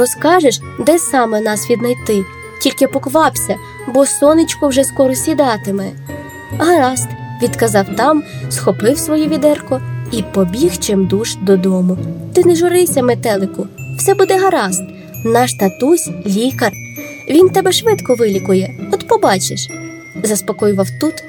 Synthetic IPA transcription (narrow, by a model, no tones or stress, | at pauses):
rɔskɑʒeʃ | d̪ɛsɑmɛnɑsʋʲid̪nɐjt̪ɪ | tʲilʲkɪpɔkʋɑpsʲɐ | bɔsɔnɪt͡ʃkʊwʒɛskɔɾɔsʲid̪ɑt̪ɪmɛ | ɦɐɾɑst̪ʋʲid̪kɐzɑwt̪ɑmsxɔpɪwsʋɔjuʋʲid̪ɛrkɔipɔbʲixt͡ʃɪmd̪uʃd̪ɔd̪ɔmʊt̪ɪneʒʊɾɪwsʲɐmet̪ɛlˠɪkʊw̥sɛbud̪ɛɦɐɾɑst̪ | nɑʃt̪ɐt̪usʲlʲikɐr | ʋʲint̪ɛbɛʃʋɪt̪kɔʋɪlʲikʊjɛɔt̪pɔbɑt͡ʃeʃ | zɐspɔkɔjʊʋɐwt̪ut̪